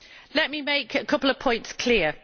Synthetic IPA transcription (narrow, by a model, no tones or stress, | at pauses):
lɛʔmimeɪkʰəkʰʌpl̩ˠəv̥pʰɔ̃ɪ̃ntskʰl̥ɪə